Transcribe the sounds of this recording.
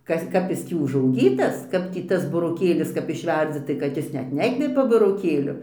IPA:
ˈkɐs ˈkɐp jɪs ˈtʲiː ʊʒɐʊˈɡʲiːtɐs ˈkɐp tʲiː ˈtɐs bʊroːˈkʲeːlʲɪs kɐp ɪʃʲˈʋʲɛrʲd͡zʲɪ tɐɪ kɐt ˈjɪs ˈnʲɛt ˈnʲæːkʋʲɛpʲɛ bʊroːˈkʲeːlʲʊ

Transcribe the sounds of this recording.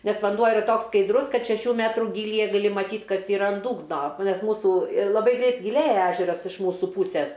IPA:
ˈnʲɛs ʋɐnˈduɔ ɪˈrɐ ˈtoːks skɐɪdˈrʊs ˈkɐt ʃʲɛˈʃʲuː ˈmʲæːtruː ɡʲiːlʲiːˈjɛ ɡɐˈlʲɪ mɐˈtʲiːt ˈkɐs ɪˈrɐ ɐn ˈduːɡnoː ˈnʲɛs ˈmuːsuː ɪr lˠɐˈbɐɪ ˈɡrʲɛɪt ɡʲɪˈlʲeːjɛ ˈæːʒʲɛrɐs ɪʃ ˈmuːsʊ ˈpuːsʲeːs

